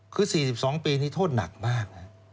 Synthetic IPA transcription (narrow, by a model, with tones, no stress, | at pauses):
kʰɯː˧siː˨˩si˨˩p̚sɔː˩˦ŋpiː˧nʰiː˦˥˩t̪ʰoː˥˩t̪̚na̰˨˩k̚maː˥˩k̚na˦˥